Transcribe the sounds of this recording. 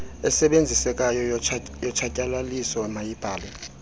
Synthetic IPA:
ɛsɛɓend͡zʱisɛkʼajɔjɔt͡ʃʰacʼalalisɔɛmajib̥ʱaːlɛ

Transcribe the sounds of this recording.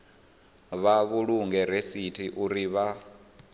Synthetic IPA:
βaβuɺuŋɡɛɾesitʰiʔuɾiβa

